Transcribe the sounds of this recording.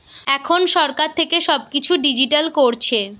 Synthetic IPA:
ɛkʰonʃɔɾkaɾt̪ʰekeʃɔb̚kit͡ɕʰuɖid͡ʑiʈalkoɾt͡ɕʰe

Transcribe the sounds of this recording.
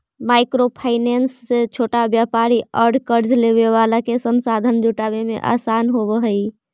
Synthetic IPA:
majkɾopʰaɪnensːet͡ʃʰoʈabjapaɾiəɾɖkəɾd͡ʒleβeʋalakesənsad̪ʱənd͡ʒuʈabemḛʔa̰sanɦobəɦəj

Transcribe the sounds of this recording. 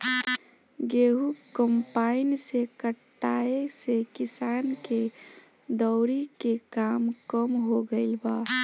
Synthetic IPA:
ɡeɦukəmpainsekəʈːaesekisanke | d̪əʊɾikekamkəmɦoɡəɪlba

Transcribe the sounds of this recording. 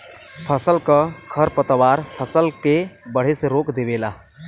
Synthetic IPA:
pʰəsəlkəkʰəɾpət̪əwaːɾpʰəsəlkebəɽ̤eseɾoːkd̪eʋeːla̰ː

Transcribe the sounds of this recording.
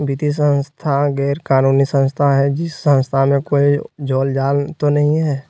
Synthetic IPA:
bɪt̪is̬ə̃nst̪ʰaɡɛːɾkaːnuːnisə̃nst̪ʰaɦɛd͡ʒɪsːə̃nst̪ʰamẽkoːid͡ʒoːld͡ʒaːlt̪onɐɦĩɦɛː

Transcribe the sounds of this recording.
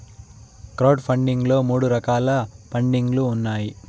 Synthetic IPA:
kɾɐwɖpʰɐɳɖiŋɡlo̞ːmuːɽuɾɐkaːlɐpʰɐɳɖiŋɡluːnːaːji

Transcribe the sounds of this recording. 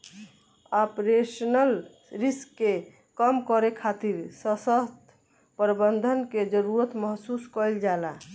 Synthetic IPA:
apɾesnəl | ɾiskːe | kəmkɔɾekʰat̪iɾsəsəst̪ | pɾbənd̪ʱənked͡ʒəɾuɾət̪məɦsuskəjld͡ʒala

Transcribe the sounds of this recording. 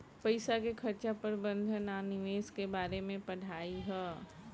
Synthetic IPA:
pɐɪsakekʰɐɾt͡ʃapɐɾbə̃nd̪ʱənanɪʋeːskebaːɾemẽpɐɽ̤aːiɦɛː

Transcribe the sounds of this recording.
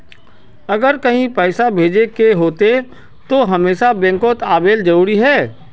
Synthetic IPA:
ɐɡəɾkɐɦĩpɛːsabʱeːd͡ʒekeɦoːt̪e | t̪oɦɐmeːʃabɛ̃ːŋkoːt̪aːbeːld͡ʒɐɾuːɾiɦɛː

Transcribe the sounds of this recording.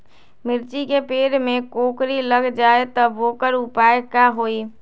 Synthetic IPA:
mɪɾt͡ʃikepeːɾmẽkoːkɾiləɡd͡ʒaːet̪əboːkəɾʊpaːekaɦoːiː

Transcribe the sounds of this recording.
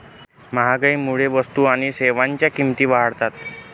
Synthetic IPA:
məɦaɡəimuɭeʋəst̪uaɽ̃iseʋaɲt͡ɕjakimt̪iːʋaɦəɽt̪at̪

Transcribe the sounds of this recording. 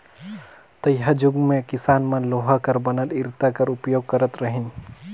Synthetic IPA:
t̪əjɦad͡ʒʊɡmẽkɪsaːnmənloɦakəɾbənəlɪɾt̪akəɾʊpjoːɡ̚kəɾət̪ɾəɦin

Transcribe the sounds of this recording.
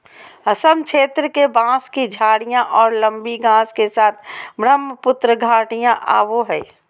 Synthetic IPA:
ɦɐsəmkʃʰeːt̪ɾəkebãːskid͡ʒʱaːɽijãʔɔːɾlə̃mbiɡãːskesaːt̪ʰbɾəmːəpʊt̪ɾəɡʱaːʈijãʔa̰ːʋoɦɛː

